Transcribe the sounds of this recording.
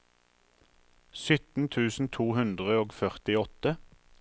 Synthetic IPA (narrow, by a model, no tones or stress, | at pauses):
sʏt̪n̩t̪ʰʉːsn̩t̪ʰuːhʉnd̪ʁəoːɡfœʁt̪ɪɔt̪ə